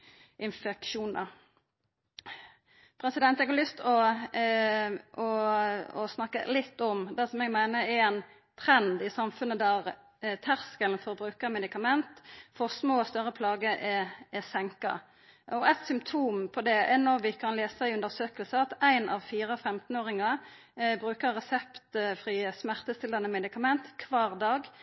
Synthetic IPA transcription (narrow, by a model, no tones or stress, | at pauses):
ʔɪnfɛkʃuːnɑ | pʰɾɛsɪd̪ɛnt̪ɛɡɑlʏst̪ɔ | ʔɔɔsnɑkːə̰lɪt̪ːɔmd̪æsɔmɛɡmæɪnəɛɛn | t̪ʰɾɛnd̪ɪsɑmfʉnːəd̪æɾ | t̪ʰæʁskəlnfɔɾbɾʉːkəɾmɛd̪ɪkɑmɛnt̪fɔsmoːɔst̪œɾəpʰlɑːɡəʔɛɛsɛŋkɑ̰ | ɔæɪt̪sʏmt̪ʰuːmpʰɔd̪ɛɛnoːʋɪkʰɑnleːsæɪʉnd̪əɾsøːkəlsəɑt̪æɪnʔɑ̰ʋfiːɾəfɛmt̪n̩oːɾɪŋɑ | bɾʉːkəɾːɛsɛpt̪fɾismæʁt̪əst̪ɪlɑnəmɛd̪ɪkɑmɛnt̪kʰʋɑːʁd̪ɑːɡ